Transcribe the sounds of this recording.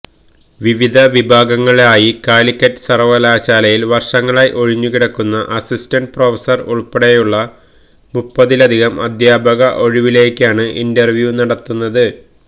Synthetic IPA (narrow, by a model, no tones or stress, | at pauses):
ʋiʋid̪ʱɐʋibʱaːɡɐŋːɐɭaːjikaːlikʲːɐtːɨ̥sɐrʋɐlaːɕaːlɐjilʋɐrʂɐŋːɐɭaːjʔo̞ɻiɲːukiɽɐkːunːɐʔɐsistɐnɖpro̞ːfɐsɐruɭpːɐɽejuɭːɐ | mupːɐðilɐd̪ʱiɣɐmɐ̰d̪ʱjaːbʱɐɣɐʔo̞ɻiʋile̞ːkʲːaːɳɨʔindɐrʋjunɐɽɐt̪ːunːɐðɨ